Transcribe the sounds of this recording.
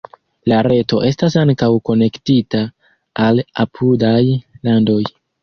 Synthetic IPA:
laɾe̞to̞ʔe̞stas̬aŋkawko̞ne̞ktitaː | la̰pʰudajlando̞j

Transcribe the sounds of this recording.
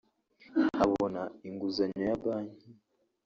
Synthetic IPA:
aβonaiŋɡuzaɲajaβaːɲi

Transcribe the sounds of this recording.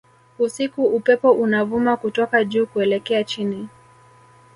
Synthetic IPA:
usikuupɛpɔʔunavumakutɔkaʄuːkuɛlɛkɛat͡ʃini

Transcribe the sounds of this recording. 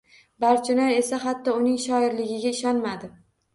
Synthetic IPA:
baɾt͡ʃʰʊnaɾe̞saɦat̪ːɒʊnɪŋʃɒɪɾlɪɡʲɪɡʲaɪʃɒnmad̪ɪ

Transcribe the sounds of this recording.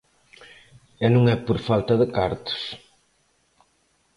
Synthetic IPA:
ɛnũŋɛpoɾfalt̪ɐðɪkaɾt̪ʊ̥s

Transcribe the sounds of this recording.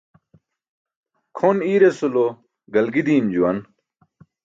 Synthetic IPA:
kʰoniːɾesulo | ɡɐlɡid̪iːmd͡ʑuwɐn

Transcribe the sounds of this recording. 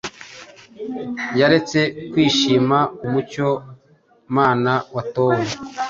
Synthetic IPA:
jaɾe̞t͡se̞kwiːʃiːmaumuco̞ | maːnawatoːwe

